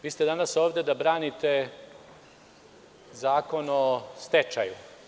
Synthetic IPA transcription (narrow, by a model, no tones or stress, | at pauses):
ʋiːst̪e̞d̪anaso̞ːʋd̪e̞d̪abɾaːnit̪e | zaːko̞nost̪et͡ʃaju